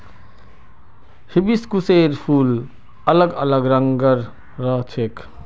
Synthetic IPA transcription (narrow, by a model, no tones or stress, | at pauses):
hibiskuseɾpʰuːl | ələɡələɡɾəŋɡəɾː | əɦt͡ʃʰek